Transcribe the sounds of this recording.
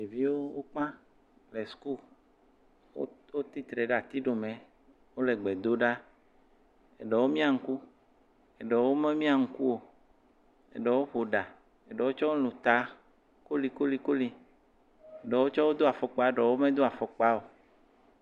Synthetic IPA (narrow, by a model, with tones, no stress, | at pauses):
e˨vi˦wo˦wo˦k͡pã˦ | le˨sku˦˨l | o˦wo˦t̪i˦t̪ɾe˨ɖa˨t̪i˦ɖo˨mɛ̃˨ | wo˦le˨ɡ͡be˨d̪o˦ɖa˦ | ḛ˨ɖɔ˨wo˦mĩ˦a˨ŋ̩˦ku˦ | e˨ɖɔ˨wo˦mẽ˦mĩ˦a˨ŋ̩˦ku˦wo˨ | ḛ˨ɖɔ˨wo˦ɸo˨ɖa˨ | e˨ɖɔ˨wo˦t͡ʃɔ˦wo˦lũ˨t̪a˨˦ | ko˦li˨ko˦li˨ko˦li˨ | e˨ɖɔ˨wo˦t͡ʃɔ˦wo˦d̪o˦a˨fɔ˨k͡pa˦˨ɖɔ˨wo˦mẽ˦d̪o˦a˨fɔ˨k͡pa˦o˨